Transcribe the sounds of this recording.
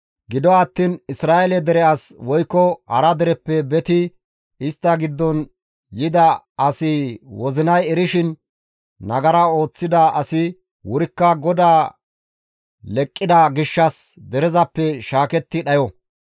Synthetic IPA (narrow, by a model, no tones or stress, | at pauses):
ɡɪd̪ɔɐt̪ːiːnɪsɾaːɛlɛd̪ɛɾɛaswɔjkːɔhɐ̰ɾɐd̪ɛɾɛpːɛbɛt̪ɪ | ɪst̪ːɐɡɪd̪ːɔn | jɪd̪ɐɐsɪwɔzɪnɐjɛɾɪʃɪn | nɐɡɐɾɐo̞ːt͡sːɪd̪ɐɐsɪ | wʊɾɪkːɐɡɔd̪aː | lɛkʼːɪd̪ɐɡɪʃːɐsd̪ɛɾɛzɐpːɛʃaːkɛt̪ːɪɗɐjɔ